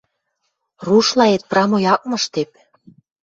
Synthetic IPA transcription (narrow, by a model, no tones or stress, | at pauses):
ruʃlɑet̪̚prɑmojɑk̚mɤ̆ʃt̪ep̚